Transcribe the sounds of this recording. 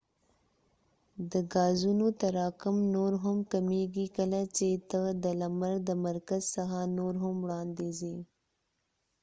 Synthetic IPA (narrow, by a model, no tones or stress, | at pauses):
d̪əɡɑːzunot̪aɾɑkʊmnoɾɦʊmkameɡikəlat͡ʃet̪əd̪əlamaɾd̪əmaɾkazsaxanoɾɦʊmwɽɑnd̪ezi